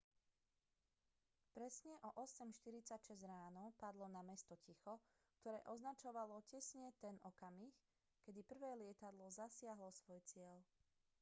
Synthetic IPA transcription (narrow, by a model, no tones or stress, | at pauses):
pɾɛsɲɛʔɔʔɔsɛmʃt̪iɾit͡sacʃɛzɾaːnɔpad̪lɔnamɛst̪ɔcixɔ | kt̪ɔɾɛ̰ːʔɔznat͡ʃɔʋalɔcɛsɲɛt̪ɛnɔkamix | kɛd̪ipr̩ʋɛːlɪɛt̪ad̪lɔzasɪaɦlɔsʋɔjt͡sɪɛl